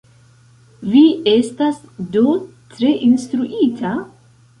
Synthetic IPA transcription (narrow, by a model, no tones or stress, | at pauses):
vie̞stasdo | tɾe̞ʔinstɾuʔitʰa